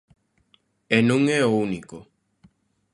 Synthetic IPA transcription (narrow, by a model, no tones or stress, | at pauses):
enũŋeouniko